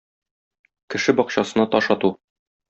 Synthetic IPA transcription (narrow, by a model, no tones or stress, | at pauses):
kɘ̆ʃɘbɒqɕɑsɤ̆nɑt̪ɒʃɑt̪u